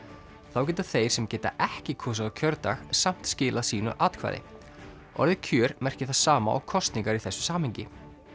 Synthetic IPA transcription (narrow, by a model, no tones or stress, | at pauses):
θawc̬ɛːt̪aθejɾ̥sɛmcɛːt̪a̰ʔɛhcɪkʰɔːsaðawcʰœɾt̪axsam̥t̪scɪːlasiːnʏ̰ʔaːt̪kʰva̰ːðɪ̰ | ɔ̰ɾðɪcʰœːɾmɛr̥cɪθaðsaːma̰ʔɔ̰ɣkʰɔst̪niŋkaɾiθɛsːʏ̥saːmhɛɲcɪ